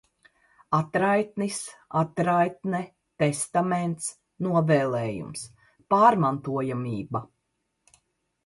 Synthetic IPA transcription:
at̪ɾajt̪nisat̪ɾajt̪nɛ | t̪est̪ament̪s | nuɔvɛːlˠɛːjṵms | paːɾmant̪uɔjamiːba

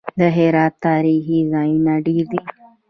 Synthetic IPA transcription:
d̪əɦeɾɑːt̪ːɑɾixizɑjinaɖiɾd̪i

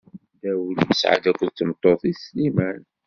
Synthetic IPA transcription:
d̪æwəlməsʕa̰d̪ækʷːəðt͡sːənt̪ˤːoθislimæn

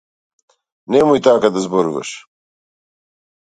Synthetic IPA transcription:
nemujt̪aːkad̪ɐzboɾuvɐ̰ʃ

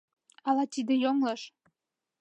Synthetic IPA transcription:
ɑlɑt̪id̪ĕjoŋlɤʃ

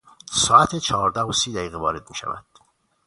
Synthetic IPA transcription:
sɒːæt̪ʰet͡ʃʰɒɦːɾd̪æhosiːd̪æiːɣevɒːɾe̞d̪̚miːʃæ̰væ̰d̪̥

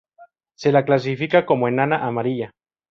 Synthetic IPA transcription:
se̞laklas̬ifikako̞moenanaʔamaɾiʝa

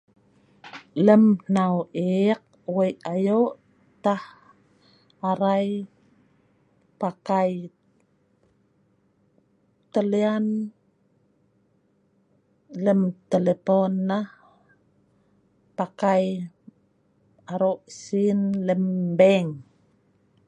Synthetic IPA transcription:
ləmnawʔek̚ | wəjajoʔ | t̪ah | aɾaj | pakaj | t̪əlian | ləmt̪eleponːah | pakaj | aɾoʔsinləmbeŋ

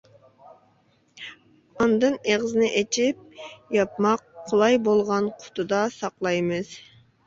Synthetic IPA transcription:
ɑnd̪ɨneʁɨzɪnɪʔet͡ʃʰip̚jɑpmɑqʰːʊlˠɑjbolˠʁɑnqʰʊ̥t̪ʰud̪ɑsɑqlˠɑjmɨz̥

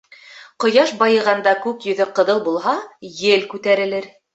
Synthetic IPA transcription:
qŏjɑʃbɑjɤ̆ʁɑnd̪ɑkʉkjɵ̆ðɵqɤ̆ðɤlˠbulˠɦɑjɘlkʉt̪æɾɘ̆lɘɾ

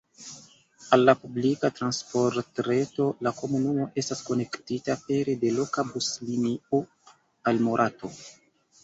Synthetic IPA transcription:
alːapublikatɾanspo̞ɾtɾe̞to̞lako̞munumo̞ʔe̞stasko̞ne̞ktitape̞ɾede̞lo̞kabuslinio | almoɾʔato̞

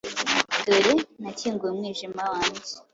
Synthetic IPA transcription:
doɾenaciːŋɡujemŋiːʒimawaːɲɟi

